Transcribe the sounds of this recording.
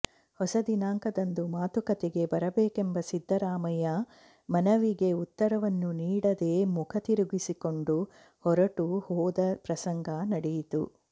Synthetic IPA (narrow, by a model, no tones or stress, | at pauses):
hɔsɐd̪inaːŋkɐd̪ɐnd̪umaːt̪ukɐt̪eɡe̞bɐɾɐbeːkembɐsid̪ʱːɐɾaːmɐjɐ | mɐnɐʋiɡe̞ut̪ːɐɾɐʋɐnːuniːɽɐd̪e̞ːmukʰɐt̪iɾuɡisiko̞ɳɖu | hɔɾɐʈuhɔːd̪ɐpɾɐsɐŋɡʱanɐɽejit̪ṵ